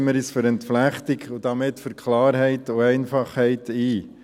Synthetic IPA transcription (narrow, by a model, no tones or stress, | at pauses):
məɾisføɾɛntflæχtɪkʊd̥ɑmɪtfʏɾkʰlɑːɾɦɛɪtʊɛɪnfɑχhɛɪtiː